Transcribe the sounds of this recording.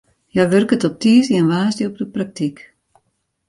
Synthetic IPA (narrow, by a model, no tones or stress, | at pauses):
jaʋørkətɔp̚tiəziɛnʋaːsdəɔp̚dəprak̚tik